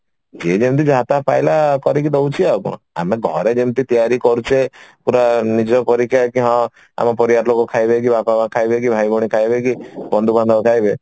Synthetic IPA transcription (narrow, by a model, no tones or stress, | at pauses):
d͡ʒed͡ʒemt̪̬id͡ʒat̪apajlakɔɾik̬id̪ɔwt͡ʃʰiakɔ̰̃ | a̰meɡʱɔɾed͡ʒemt̪it̪ijaɾikɔɾut͡ʃʰepuɾanid͡ʒɔpɔɾikʰːjakiɦɔ̃ | a̰mɔpɔɾiaɾlokɔkʰajbek̬ibakɔbakʰajbekibʱajbɔɽ̃ikʰajbekibɔnd̪uband̪ɔɔkʰajbe